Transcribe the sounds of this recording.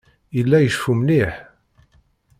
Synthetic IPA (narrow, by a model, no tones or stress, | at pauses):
ilːæjəʃfumniħ